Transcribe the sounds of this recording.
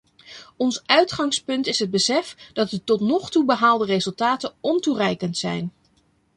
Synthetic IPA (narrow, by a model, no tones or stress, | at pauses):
ɔnsœɥtχɑŋspɵntɪsɦəd̚bəsɛfd̥ɑt̚dətɔtnɔχtubəɦaːlˠdərezɵlˠtaːtənɔnturɛjkəntsɛ̰jn